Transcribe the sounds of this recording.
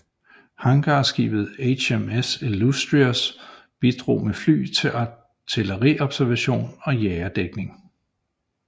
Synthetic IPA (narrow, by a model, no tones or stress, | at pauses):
hɑ̈ŋɡ̥ɑ̈ːsɡ̥ḭːb̥ð̩ˠeɕemesilusd̥ʁiɐs | b̥id̥ʁo̝̰ːmefly̰ːt͡sʰe̝ʔɑ | t͡sʰeləʁḭɒ̽b̥sæɐʋæɕo̝̰ːnɒ̽jɛːɐd̥eɡ̥ne̝ŋ